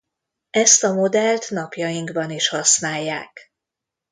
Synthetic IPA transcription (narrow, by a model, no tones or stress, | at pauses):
ɛst̪ɒmo̞d̪ɛlt̪nɒpjɒjiŋɡbɒniʃhɒsnaːjːa̰ːk